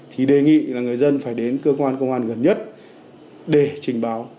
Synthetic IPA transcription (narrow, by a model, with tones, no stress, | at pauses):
t̪ʰi˨˩ɗe˨˩ŋḭ˧˨laː˨˩ŋɨ˨˩əjzə˧nfaː˧˩jɗe˨˦nkəː˧kwaː˧nkə˧wŋ͡mʔaː˧nɣə˨˩nɲə˦˥t̚ | ɗe˧˩t͡ɕï˨˩ŋ̟ɓaː˨˦w